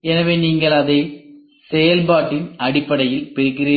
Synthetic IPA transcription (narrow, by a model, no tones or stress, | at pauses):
ɛnɐʋeːniːŋɡɐɭɐðɐɪ | sɛjɐlbaːʈːɪnɐɽɪpːɐɽɐjɪlpɪɾɪkːɪriː